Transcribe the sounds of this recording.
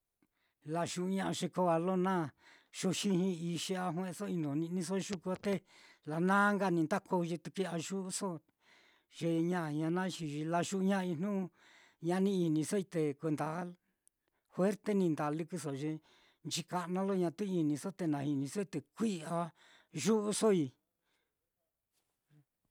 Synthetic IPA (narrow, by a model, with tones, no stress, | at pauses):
la˧ʃu˧ɲã˦˧ʔa˧ʃe˧ko˧˦a˧lo˦nã˦ | ʃo˧ʃi˦hĩ˧i˧ʃe˧a˧ɦw̃ẽ˧so˦i˧nõ˨nĩ˧nĩ˧s̬o˦˧ʃu˦ku˧a˧t̪e˦la˨nãː˦ŋɡa˦˧nĩ˧nd̪a˦kʰo˧ʒi˧t̪u˧ki˦a˧ʒu˦ʔso˦ | ʒ̥e˧ɲã˦˧˨ɲã˧nã˦˧ʃi˧ʒi˧la˧ʃu˧ʔɲã˦˧i˧nnũ˦ | ɲã˧nĩ˦i˧nĩ˧so˦i˧t̪e˧kʷe˧nd̪a˨˦ | hwe˦ɾt̪e˦nĩ˧nd̪a˨lɨ˧kɨ˧so˨ʒe˧ | nt͡ʃi˧ka˧ʔnã˦lo˦ɲã˧t̪u˦i˧nĩ˧so˦t̪e˧nã˨˧hi˧nĩ˧so˦i˧t̪e˧kʷi˦a˧ | ʒu˦ʔu˧so˦i˧